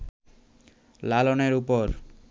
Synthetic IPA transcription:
laloneɾupoɾ

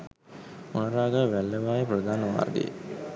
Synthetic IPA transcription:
onɐɾaːɡəʋælːəʋaːjeprəd̪ʱaːnəʋa̰ːrd̪ḛjḛ

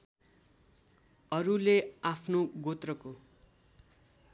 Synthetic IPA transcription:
ʌɾuleapʰnoɡot̪rʌko

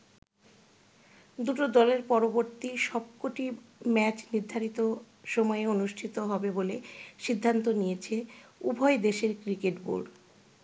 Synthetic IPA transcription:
d̪uʈod̪ɔleɾpɔɾoboɾt̪iʃɔb̚koʈimɛt͡ɕniɾd̪ʱːaɾit̪o | ʃɔmɔeonuʃʈʰit̪oɦɔbeboleʃid̪ʱːant̪onijet͡ɕʰeubʱɔed̪eʃeɾkɾikeʈbo̰lɖ

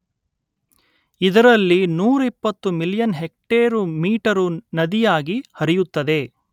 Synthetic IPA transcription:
id̪ɐɾɐlːinuːɾuipːɐt̪ːumiljɐnɦek̚ʈeːɾumiːʈɐɾunɐd̪ijaːɡihɐɾijut̪ːɐd̪e̞

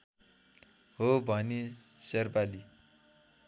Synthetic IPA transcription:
ɦobʱʌniserpali

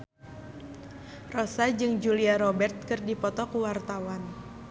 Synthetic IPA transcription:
rɔsad͡ʒɨŋd͡ʒuliaɾɔbɛrt̪̚kɨrdipɔt̪ɔkuwart̪awan

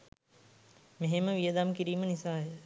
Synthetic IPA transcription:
meɦeməʋijəd̪amkiɾiːmənisaːjə

